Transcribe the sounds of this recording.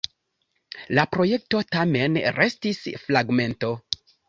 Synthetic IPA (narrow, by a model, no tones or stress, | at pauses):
lapɾo̞je̞k̚to̞tame̞nɾe̞stisflaɡme̞nto̞